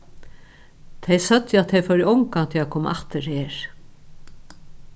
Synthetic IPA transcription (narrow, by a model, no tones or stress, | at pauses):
t̪ʰɛjsœt̪jəat̪ʰːejfœɾjɔwŋkat̪ʰɛakʰoːmʔaht̪ɪɾheːɹ̥